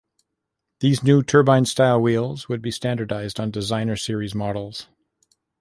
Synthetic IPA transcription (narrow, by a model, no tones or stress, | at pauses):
ðiznutʰɜ˞bãɪ̃nstaɪlˠwilˠzwəd̚bistæ̃ndə˞daɪzdn̩dɨzãɪ̃nə˞sɪɹizmɑɾl̩ˠz̥